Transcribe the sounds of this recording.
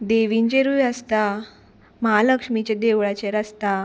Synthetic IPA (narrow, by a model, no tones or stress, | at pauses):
d̪eʋiɲt͡ɕeɾuːʋjəst̪a | məɦaləkʂmit͡ɕed̪eʋɭat͡ɕeɾəst̪a